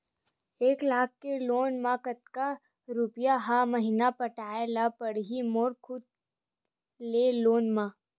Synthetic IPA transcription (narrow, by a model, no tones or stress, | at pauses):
eːklaːk̚ʰkeloːnmãkət̪ka | ɾʊpjaɦaməɦinapəʈaːelapəɽɦimoːɾkʰʊd̪ | leloːnmãː